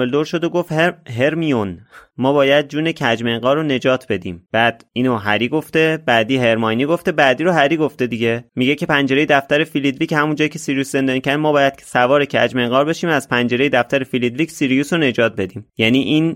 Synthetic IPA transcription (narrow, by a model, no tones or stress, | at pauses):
eld̪oɾʃod̪oɡoft̪hɦe̞ɾmijonmɒːbɒːjæd̪̚d͡ʒuːne̞cʰæd͡ʒme̞ŋɡɒːɾone̞d͡ʒɒːt̪ʰbe̞d̪ḭːmb̥æd̪̥iːnoɦæɾiːɡoft̪e̞bæd̪iːɦe̞ɾmɒjniːɡo̞ft̪e̞bæːd̪iːɾoɦæɾiːɡo̞ft̪e̞d̪iɟe̞miɟe̞cʰe̞pænd͡ʒe̞ɾejd̪æft̪æɾe̞filid̪viːchæmund͡ʒɒːjicʰe̞siɾijuːsze̞nd̪ɒːnicʰæɾd̪mɒːbɒːjæd̪̥ʰsævɒːɾecʰæ̰d͡ʒmeŋɡɒːɾbe̞ʃiːmæz̥pʰænd͡ʒe̞ɾejed̪æft̪æɾefilid̪viːcʰsiɾijusone̞d͡ʒɒːt̪̚ʰbe̞d̪iːmjæniːʔiːn